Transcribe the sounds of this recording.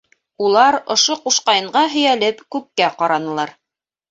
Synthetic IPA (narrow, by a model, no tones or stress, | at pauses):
ulˠɑɾŏʃoquʃqɑjɤ̆ɴɢɑɦɵ̆jælɘpkʉp̚kæqɑɾɑnɤ̆lˠɑɾ